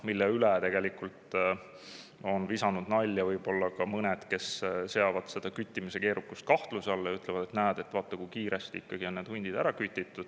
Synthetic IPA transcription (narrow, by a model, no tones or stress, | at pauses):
milːeylet̪e̞ɡ̥e̞likult̪ | o̞nvisɑnud̪nɑlʲːjɑvɤjb̥o̞lːɑkɑmɤned̪̥ke̞sse̞ɑvɑd̪̥se̞d̪̥ɑkyt̪ʲːˑimise̞ke̞ːɾukːˑust̪̚kɑht̪lusɑlːɑyt̪ˑlevɑd̪̥e̞t̪næːɑd̪̥e̞t̪vɑːt̪ːˑɑkujkiːɾe̞st̪iikːɑɡ̥io̞nneːd̪̥unʲd̪̥id̪æɾɑkyt̪ʲːˑit̪ːˑud̪̥